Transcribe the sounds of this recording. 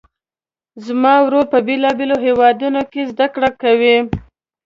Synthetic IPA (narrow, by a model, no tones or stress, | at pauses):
zmɑwɾoɾpəbelɑbeloɦewɑd̪unokezd̪akɽakawi